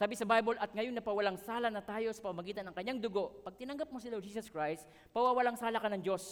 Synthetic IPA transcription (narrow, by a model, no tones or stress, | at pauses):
saːbɪsɐbajbolʔɐt̪̚ŋɐjoŋnɐpɐwɐlaŋsaːlɐnɐt̪aːjo̞sɐ̥pɐmɐmɐɡiːt̪ɐnɐŋkɐɲːaŋd̪ʊɡo̞ʔpɐɡ̚t̪ɪnɐŋɡɐp̚mosɪlad͡ʒiːs̬ɐskɹajst̪ | pɐwawɐlaŋsaːlakɐnɐŋd͡ʒo̞s